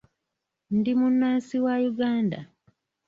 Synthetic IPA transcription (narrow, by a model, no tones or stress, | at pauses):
ndimunːaːnsiwajuɡaːnda̰